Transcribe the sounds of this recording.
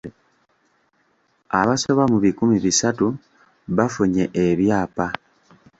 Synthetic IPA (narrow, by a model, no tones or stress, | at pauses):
aβaso̞βamuβikumiβisatu | βafuɲe̞ʔeβjaːpa